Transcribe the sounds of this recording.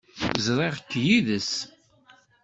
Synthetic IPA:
zɾˤeʁəkːjiðəs

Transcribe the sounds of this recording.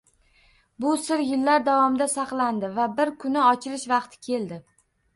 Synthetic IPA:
bʊsɪɾjɪlːaɾd̪avɒmɪd̪asɑqlˠand̪ɪvabɪɾkʰʊnɪɒt͡ʃʰɪɾɪʃvɑqt̪ʰɪ̥kʲʰe̞ld̪ɪ

